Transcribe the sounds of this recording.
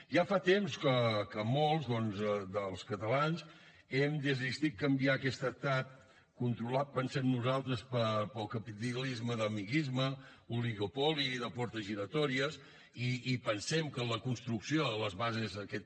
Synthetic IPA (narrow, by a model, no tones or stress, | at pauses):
ʒafat̪emskəkəmɔlˠzðɔnzəd̪əlˠskət̪əlanz | ɛmd̪əzist̪it̪̚kəmbiakɛst̪ət̪at̪̚ | kunt̪ɾulat̪̚pənsɛmnuzalˠt̪ɾəspəpəlˠkəpit̪ilizməðəmiɣizmə | uliɣupɔliðəpɔɾt̪əzʒiɾət̪ɔɾiəs | iːpənsɛmkələkunst̪ɾuksioələzβazezəkɛt̪